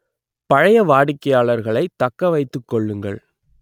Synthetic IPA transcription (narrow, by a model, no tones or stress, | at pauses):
pɐɻɐjɐʋaːɽɪkːɐjaːɭɐɾɣɐɭɐɪt̪ːɐkːɐʋɐɪt̪ːɯkːɔɭːɯŋɡɐ̰ɭ